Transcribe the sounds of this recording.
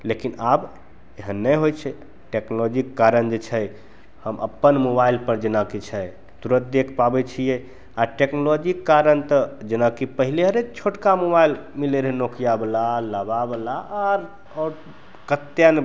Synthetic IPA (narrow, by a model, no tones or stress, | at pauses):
lekinab | eɦənːəjɦojt͡ʃʰɛ | ʈeknolɔd͡ʒikːaɾənd͡ʒet͡ʃʰɛ | həmʔə̰pːənmobailpəɾd͡ʒenakit͡ʃʰɛ | t̪uɾət̪̚d̪ekʰpabɛt͡ʃʰijɛ | aʈeknolɔd͡ʒikːaɾənt̪əd͡ʒenakipəɦileɦəɾet͡ʃʰoʈkamoβailmileɾɦenokijablaləbabəlaʔaɾ | ɔːɾ | kət̪ːjən